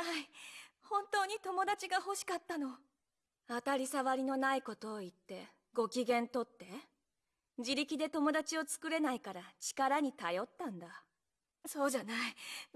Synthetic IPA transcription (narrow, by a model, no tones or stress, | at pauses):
aihõ̞nt̪o̞ːɲ̟it̪o̞mo̞d̪at͡ɕiɡaho̞ɕi̥kat̪ːano̞ | at̪aɾʲisaβaɾʲino̞naiko̞t̪o̞ːit̪ːe̞ | ɡo̞kʲiɡẽ̞nt̪o̞t̪ːe̞ | d͡ʑiɾʲikʲid̪e̞t̪o̞mo̞d̪at͡ɕio̞t͡sɨ̥kɯ̟ɾe̞naikaɾat͡ɕi̥kaɾaɲ̟it̪ajo̞t̪ːãnd̪a | so̞ːʑanai